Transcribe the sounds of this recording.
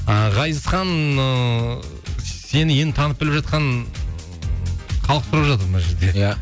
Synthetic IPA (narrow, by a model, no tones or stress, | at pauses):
əʁɑj̪əsχɑnə | se̞nɪjent̪ʰɑnəp̚bɪlɪpʒɑt̪̚qɑn | χɑlˠəqsʊɾɑpʒɑt̪əɾbənɑʒe̞ɾd̪e̞